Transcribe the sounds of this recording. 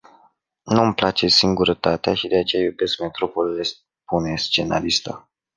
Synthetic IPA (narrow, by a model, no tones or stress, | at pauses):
numplat͡ʃe̞siŋɡuɾət̪at̪eaʃid̪e̞at͡ʃe̞jajube̞sk̚me̞t̪ɾo̞polile̞s | pune̞st͡ʃe̞na̰list̪a̰